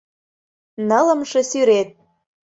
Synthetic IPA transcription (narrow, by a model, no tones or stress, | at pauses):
nɤlə̆mʃɤ̆syɾet̪̚